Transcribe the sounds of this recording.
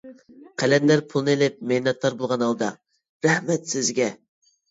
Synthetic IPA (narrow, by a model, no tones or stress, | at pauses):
qʰælɛnd̪æɾpʰulˠnɨelɪp̚mejnɛt̪lˠɑɾbolˠʁɑnɑlˠd̪ɑ | ɾɛhmɛt̪sɪzɡʲɛ